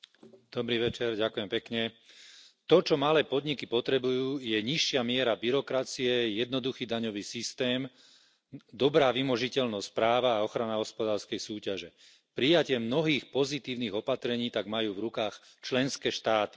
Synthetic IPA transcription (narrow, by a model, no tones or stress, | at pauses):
d̪̥ɔbɾiːʋɛt͡ʃɛɾɟakujɛmpɛkɲɛ | t̪ɔt͡ʃɔmalɛːpɔd̪ɲikipɔt̪ɾɛbujuːjɛɲiʃːɪamɪɛɾabiɾɔkɾat͡siɛjɛd̪nɔd̪uxiːd̪aɲɔʋiːsist̪ɛːm | d̪ɔbɾaːʋimɔʒicɛʎnɔspɾaːʋaːɔxɾanaɦɔspɔd̪aːɾskɛjsuːcaʒɛ | pɾijacɪɛmnɔɦiːxpɔzit̪iːʊniːɣɔpat̪ɾɛɲiːt̪aɡmajuːvɾukaːx | t͡ʃlɛnskɛːʃt̪aːt̪i̥